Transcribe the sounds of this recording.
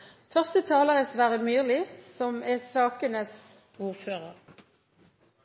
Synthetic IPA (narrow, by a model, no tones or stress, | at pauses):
fœʁst̪ət̪ʰɑːləʁɛsʋæʁəmyːʁlɪsɔmɛsɑːkənəs | uːʁføːʁəʁ